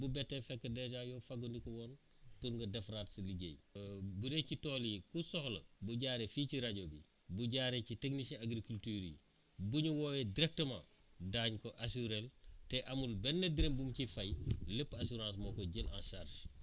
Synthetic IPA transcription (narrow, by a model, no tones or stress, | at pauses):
bubɛtːefɛkːədɛʒajoːfaɡondikowɔːn | tuɾŋɡɐdefɾatsiliɟḛjbuɾecitoːlikusɔhlobuɟaːɾefiːciɾaɟobḭ | buɟaɾeciteknisẽaɡɾikultyːɾḭ | buɲuwoːjediɾek̚təmɐ | daːɲkoʔasuɾelteʔamulbɛnːediɾembumcifajləpːasuɾãːs̬mokoɟelʔãnʃarʃ